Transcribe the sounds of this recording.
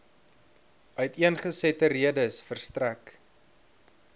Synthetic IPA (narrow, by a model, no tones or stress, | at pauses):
œɥtiənχəsɛtəriədəsfərstræk